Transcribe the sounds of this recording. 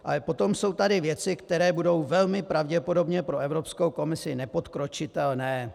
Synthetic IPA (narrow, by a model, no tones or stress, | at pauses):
ʔalɛpo̞t̪o̞mso̞wt̪adɪvjɛt͡sɪkt̪ɛɾɛːbudo̞wvɛlmɪpɾavɟɛpo̞do̞bɲɛpɾo̞ɛvɾo̞pskowko̞mɪsɪnɛpo̞t̪kɾo̞t͡ʃɪt̪ɛlnɛː